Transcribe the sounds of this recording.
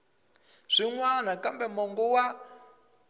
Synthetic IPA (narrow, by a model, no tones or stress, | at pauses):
ʐ̥ʷiŋwanakambɛmɔŋɡɔwa